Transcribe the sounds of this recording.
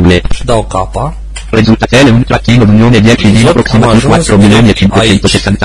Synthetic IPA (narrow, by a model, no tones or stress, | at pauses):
led̪akapa | ɾezult̪at̪ɛːleunt̪ɾat̪ːiːnod̪unjoːned̪jɛt͡ʃid̪iapɾoksimat̪uwat̪ːɾomiljoːniet͡ʃiŋkwet͡ʃɛnt̪oset̪ːant̪